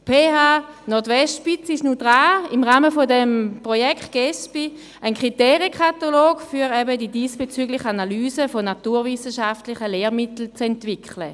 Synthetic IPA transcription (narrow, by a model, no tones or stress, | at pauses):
pʰeːhaː | nɔɐtvɛstpit͡səiʃnud̥ʁaːimʁaːməfodɛmpʁojɛkχt̚ɡ̥ɛspi | ənkʁ̥itɛːʁjəkχataloːɡfyːʁɛbədidiːsb̥et͡syɡlɪχanalyːzəfonatuːʁvɪsəʃaftlɪχəleːʁmɪtl̩t͡sɛntv̥ɪkʰlə